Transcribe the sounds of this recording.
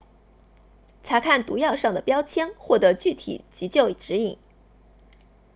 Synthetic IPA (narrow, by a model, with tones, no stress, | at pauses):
t͡sʰa˧˥kʰa˥˩nt̪u˧˥jɑ˥˧ʊʂɑ˥˩ŋd̪ə˩pjɑ˥ʊt͡ɕʰjɛ˥ŋxwɔ˥˩t̪ɤ˧˥t͡ɕy˥˩t̪ʰḭ˨˩t͡ɕi˧˥t͡ɕjo˥˩ʊ˨˩ʈ͡ʂɻ̩˧˥i˨˩˦ŋ